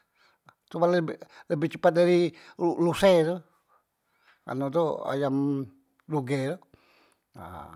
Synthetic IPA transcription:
t̪umanbləbɪht͡ʃəpat̪̚daɾiulusɛt̪u | a̰not̪ua̰jam | luɡɛt̪u | a̰

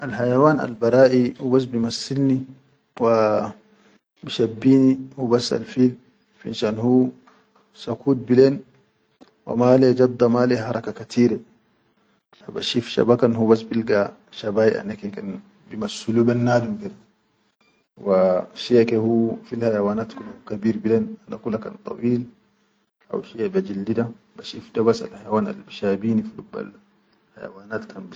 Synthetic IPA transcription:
ʔalhajawaːna̰lbɑɾˤaːʔihubas̬bimasːilni | wa | biʃabːiːnihubasːa̰lfiːl | fiinʃaːnhuː | sakuːt̪̚bilen | wa̰maːled͡ʒɑd̪ːɑmaːleɦɑɾˤɑkakat̪ʰiːɾe | haba̰ʃifʃa̰bakanhubas̬bilɡa | ʃabajiʔa̰nːakekan | bimasuluːbanːaːd̪umkeda | waʃiakehufilhajawaːnaːt̪kulhukabiːɾbileːnanːakulaka̰nt̪ˤɑ̰wiːl | ʔa̰wʃiabad͡ʒildida | baʃifdabasa̰lhajawaːna̰lbiʃabiːnifiluba̰l | haja̰waːnaːt̪kʰanb

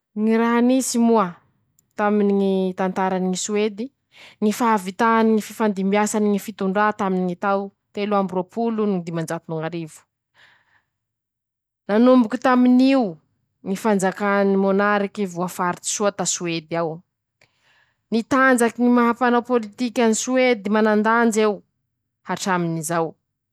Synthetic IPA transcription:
ŋiɾaɦanisimua | t̪aminiŋit̪ant̪aɾaniŋisued̪i | ŋifaavit̪aniŋififand̪imiasaniŋifit̪uɳɖ͡ʐat̪aminiŋit̪aw | t̪eluambropulunid̪imand͡ʒat̪unuŋaɾivu̥ | nanumbukut̪aminiu | ŋifand͡zakanimonaɾikivuafaɾit̪i̥suat̪asued̪aw | nit̪and͡zakiŋimaɦapanawpolit̪ikʲanisued̪imanand̪and͡ʒew | haʈ͡ʂaminizaw

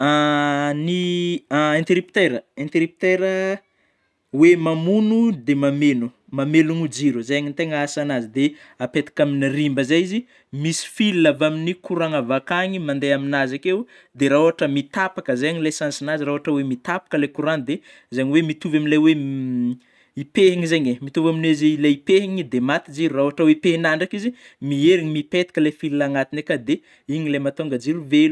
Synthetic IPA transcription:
ani | ẽnt̪eɾipt̪eɾəẽnt̪eɾip̚t̪eɾə | wemamunud̪emamenu | mameluŋud͡ziɾuzajaɲint̪eŋəasanazid̪e | apet̪ḁkaminirimbəzajizi | misi̥filnavaminikuɾaŋavakaɲimand̪eaminazakeu | d̪eɾauɦaʈ͡ʂəmit̪apakəzaɲilajsansinaziɾauaʈ͡ʂəwemit̪apḁkəlejkuɾand̪e | zaɲiwemit̪uvaminlajwe | ipeɦiŋizaɲemit̪uvamineziilajipeɦiŋid̪emat̪id͡ʒiɾurauɦaʈ͡ʂəwepeɦinaɳɖ͡ʐakizi | mieɾiɲimipet̪ḁkʲəlefilunaŋat̪inekad̪e | iɲilajmat̪oŋɡəd͡ʒiɾuvelu

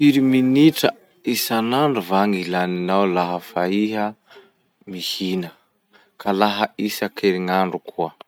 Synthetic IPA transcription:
fiɾiminiʈ͡ʂə | isanaɳɖ͡ʐuvaŋilaninawlaɦəfaiɦə | mihinə | kʰalaɦəisakʰeɾiŋaɳɖ͡ʐukʰuə

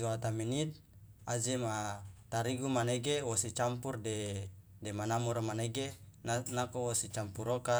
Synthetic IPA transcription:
uat̪aminit̪̚ | ad͡ʒemat̪aɾiɡumaneɡewosit͡ʃampurde | demanamuɾmaneɡennakowosit͡ʃampuɾoka

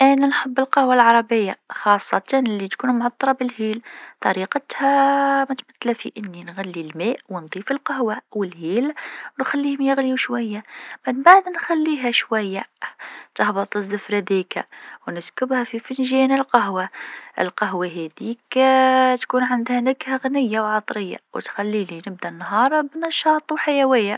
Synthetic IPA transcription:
ʔænænħəbːəlqɑhwalʕɑɾˤɑbəjːaxɑsˤːɑt̪ɑnlːit̪kuːnmʕɑt̪ˤːɾˤɑbəlhiːlt̪ˤɑɾiqət̪hæmæt̪mət̪ːlæfiʔənːinɣælːilmæʔwənd̪ˤiːfəlqɑhwawəlhiːlwnxælːihmjəɣluʃwæjːamənbaʕd̪nxælːiɦæʃwæjːæt̪əhbət̪ˤəzːafɾæd̪iːka̰wnɪskʊbhæfifənʒænəlqɑɦwaʔə̰lqɑɦwaɦæd̪iːkt̪kuːnʕand̪hænakhæɣnɪjːawʕɑt̪ˤɾɪjːa̰wt̪xælːilinɪb̚d̪ænːɦɑːɾˤbnɑʃɑːt̪ˤwħajæwɪjːa

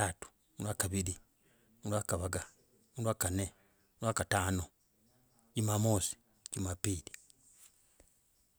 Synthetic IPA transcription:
atu̥ | mulwakaβiɾi | mulwakaβaɡa | mulwaːkane | uɾwakataːno | t͡ʃimamoːsi̥ | cimapiːli

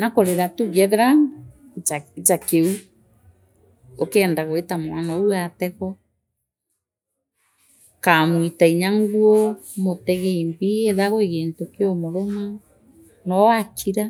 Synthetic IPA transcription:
nakoɾeɾatuɣɛðɛɾa | t͡ʃakeu | okɛːndaɣoetamwanauatɛɣɔ | kamwitaiɲaŋɡuomotɛɣɛimbieðaɣoeɣeːntokeomoɾoma | nɔakʰiɾa

